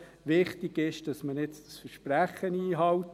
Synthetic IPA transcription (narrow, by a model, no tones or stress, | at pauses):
ʋɪχtɪɡ̥ɪʃd̥ɑsmənɪt͡stsfəɾʃpɾæχːəniːɦɑwt